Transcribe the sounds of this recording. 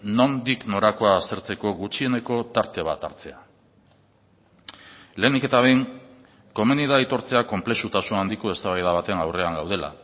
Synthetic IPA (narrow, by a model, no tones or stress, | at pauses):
no̞nd̪ikno̞ɾako̞aːst̪e̞ɾt͡se̞ko̞ɣut͡ʃie̞ne̞ko̞t̪aɾt̪e̞β̞at̪aɾt͡se̞a | le̞ːnd̪ike̞t̪aβejŋ | ko̞meniðait̪o̞ɾt͡se̞ako̞mple̞ʃut̪asunand̪iko̞e̞st̪aβajðaβ̞at̪e̞ŋawre̞aŋɡawð̞e̞la̰